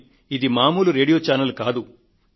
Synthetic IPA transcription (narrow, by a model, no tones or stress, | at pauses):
id̪imaːmuːluɾe̞ːɽijoːt͡ʃaːnɐlkaːd̪u